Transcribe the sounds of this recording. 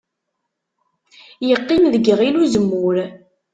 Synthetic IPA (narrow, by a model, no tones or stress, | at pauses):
jəqːinðəɡʁiluzəmːʊɾ